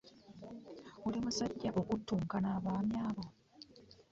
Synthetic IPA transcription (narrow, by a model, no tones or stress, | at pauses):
ulimusaɟːaʔo̞kutːuːŋkanaːβwaːmjaːβo